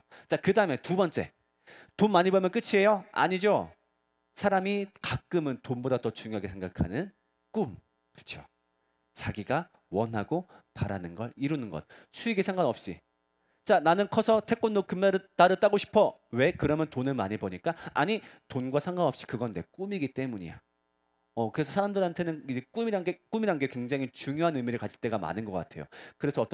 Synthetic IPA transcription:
t͡ɕakɯdaɯme̞tubʌnt͡ɕ͈e̞̰ | tonmaɲibʌmjʌnk͈ɯt͡ɕʰie̞joa̰ɲid͡ʑo | sʰaɾamikak͈ɯmɯntonbodatʌt͡ɕuŋjoɦaɡe̞sʰeŋɡakʰa̰nɯn | k͈um | kɯɾt͡ɕʰo | t͡ɕaɡiɡa | wʌnɦaɡopaɾa̰nɯnɡʌ̰ɾiɾunɯnɡʌ̰t̚ | sʰuiɡesʰaŋɡanʌp̚ɕ͈ḭ | t͡ɕananɯnkʰʌsʰʌtʰe̞k͈onːokɯmaɾɯt͈aɾɯt͈aɡoɕʰi̥pʰʌwe̞kɯɾʌmjʌntonɯnmaɲiboɲik͈aaɲi | tonɡwasʰaŋɡanʌpɕ͈i̥kɯɡʌnde̞k͈umiɡit͈e̞muɲḭja̰ | ʌkɯɾesʰʌsʰaɾamdɯɾɦantʰe̞nɯnid͡ʑek͈umiɾanɡe̞k͈umiɾanɡe̞kweŋd͡ʑaŋit͡ɕuŋjoɦanɯmiɾɯɭkad͡ʑʰiɭt͈e̞ɡama̰nɯnɡʌk͈atʰe̞jo̰kɯɾe̞sʰʌːt͈ʌ

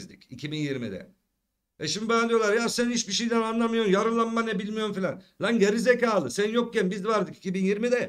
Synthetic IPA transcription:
zd̪icicʰibinjiɾmid̪ɛ̰ | ɛʃimd̪ibajand̪ijo̞lˠaɾjaɾsænhiʃbiʃejd̪ɛnanlˠamɯjoɾumjaɾɯlˠammanɛbilʲmijoɾumfilʲanlʲanɟaɾizecaːlˠɯsænjok̚cɛnbizvaɾd̪ɯki̥cibinjiɾmid̪ɛ

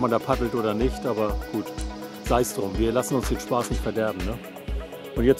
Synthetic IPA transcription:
mandaɐpʰadl̩tʔoːɾɐnɪçtʔaːbɐɡ̥uːt | z̥aɪsd̥ʁʊmviːɐlasn̩ʊnsd̥eːnʃpaːsnɪçtfɛɐdɛɐbm̩nə | ʔʊntjɛt͡s

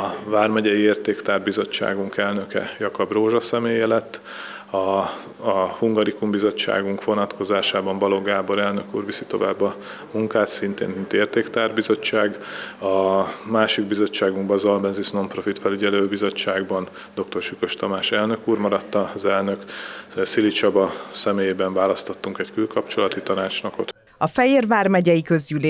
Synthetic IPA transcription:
ɒvaːrmɛɟɛjieːrt̪eːkt̪aːrbizo̞t͡ʃːa̰ːɡuŋkɛlnø̞kɛ̰jɒkɒbroːʒɒsɛmeːjɛlɛt̪ː | ɒ | huŋɡɒɾikumbizo̞t͡ʃːa̰ːɡuŋkʋo̞nɒt̪kʰo̞zaːʃaːbɒɱbɒloɡaːbo̞ɾɛlnø̞kṵːrʋisit̪o̞vaːbːɒ | muŋkaːt̪sint̪ḛːnmint̪eːrt̪eːkt̪aːrbizo̞t͡ʃːaːɡɒmaːʃiɡbizo̞t͡ʃːaːɡuŋɡbɒzɒlbɛnzisno̞mpro̞fit̪fɛlyɟɛløːbizo̞t͡ʃːaːɡbɒn | d̪o̞k̚t̪o̞rʃykøʃt̪ɒmaːʃɛlnø̞kuːrmɒɾɒt̪ːɒzɛlnøksilit͡ʃɒbɒsɛmeːjeːbɛɱvaːlɒst̪o̞t̪ːuŋkɛckylkɒpt͡ʃo̞lɒt̪it̪ɒnaːt͡ʃnokot̪ | ɒfɛjeːrvaːrmɛɟɛjikø̞zɟyleː

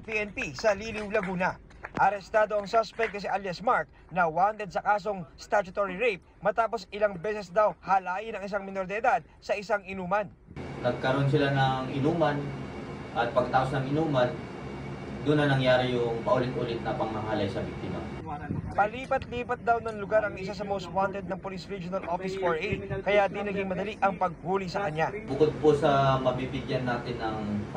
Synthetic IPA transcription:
piʔɛnpisɐliːlɪwlɐɡuːnɐ | ʔɐɾɛst̪aːd̪o̞ɐŋsospɛk̚t̪nɐs̬iʔaljɐsmaɹk̪ | nɐwant̪ɛd̪̚sɐkaːs̬o̞ŋst̪at͡ʃʊt̪oɹiɹɛjp̚ | mɐt̪aːpo̞sɪlaŋbɛːsɛsd̪awhalaːjɪnɐŋɪs̬aŋmɪno̞ɾd̪ɐɪd̪ad̪̚sɐʔɪsaŋɪnuːmɐn | nɐɡ̚kɐɾo̞ns̬ɪlanɐŋʔɪnuːmɐnʔɐt̪̚pɐɡkɐt̪aːposnɐŋɪnuːmɐn | d̪ʊnːɐnɐŋjaːɾɪjʊŋpɐʔʊlɪt̪̚ʔʊlɪt̪̚nɐpɐŋmɐɦalɐjsɐbik̚t̪ɪma̰ | pɐliːpɐt̪liːpɐt̪̚d̪awnɐŋlʊɡaɾɐŋʔɪs̬as̬ɐmowst̪̚want̪ɛd̪̚nɐŋpolisɹid͡ʒonɐlʔofɪsfoɹʔijkɐjad̪inɐɡiŋmɐd̪ɐliʔɐŋpɐɡ̚huːlisɐkɐɲːabʊkod̪̚posɐmɐbibɪɡjanːaːt̪ɪnːɐŋ

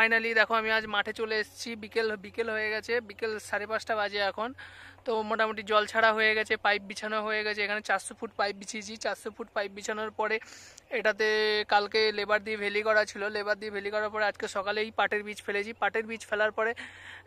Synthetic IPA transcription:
ajnalid̪ɛkʰoamiad͡ʑmaʈʰet͡ɕoleeʃt͡ɕʰibikelbikelɦojeɡɛt͡ɕʰebikelʃaɾepaʃʈabad͡ʑeɛkʰont̪omoʈamoʈ̬id͡ʑɔlt͡ɕʰaɽaɦoeɡɛt͡ɕʰepajp̚bit͡ɕʰanoɦojeɡɛt͡ɕʰeekʰanet͡ɕaɾsofʰuʈpajp̚bit͡ɕʰit͡ɕʰit͡ɕaɾsofʰuʈ̚pajp̚bit͡ɕʰanoɾpɔɾeeʈat̪̬ekalkelebaɾd̪iebʱelikɔɾat͡ɕʰilolebaɾd̪iebʱelikɔɾaɾpɔɾead͡ʑkeʃɔkalejpaʈeɾbit͡ɕfʰelet͡ɕʰipaʈeɾbit͡ɕfelaɾpɔɾe

